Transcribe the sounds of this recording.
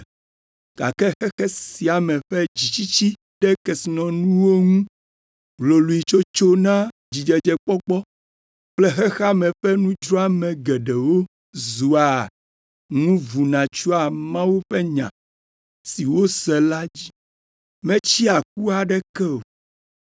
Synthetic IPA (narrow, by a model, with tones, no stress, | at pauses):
ɡ̥a̰˨kɛ˦xɛ˦xɛ˦si˨a˨mɛ̃˨ɸɛ˦d͡ʑi˨t͡ɕi˦t͡ɕi˦ | ɖɛ˦kɛ˨si˨nɔ̃˨nũ˦wo˦ŋũ˦ | blo˨lu˨i˨t͡ʃo˦t͡ʃo˦nã˦ | d͡ʑi˨d͡ʒɛ˨d͡ʒɛ˨k͡pɔ˦k͡pɔ˦ | k͡plɛ˦xɛ˦xa˦mɛ̃˨ɸɛ˦nũ˦d͡ʒɾɔ˦a˦mɛ̃˨ɡɛ˨ɖɛ˨wo˦ | zu˨a˨ | nũ˦vu˨nã˨t͡ʃu˦a˨mã˦wu˦ɸɛ˦ɲã̰˨ | si˨wo˦sɛ˨la˦d͡ʑi˦ | mɛ̃˦t͡ɕi˦a˨k̚u˦a˨ɖɛ˦kɛ˦o˨